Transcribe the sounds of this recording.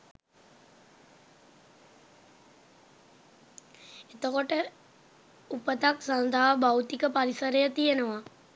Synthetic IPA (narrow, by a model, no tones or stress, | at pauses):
et̪əkoʈə | upət̪aksand̪ʱaɦabawt̪ikəpaɾisəɾəjət̪ijənəʋa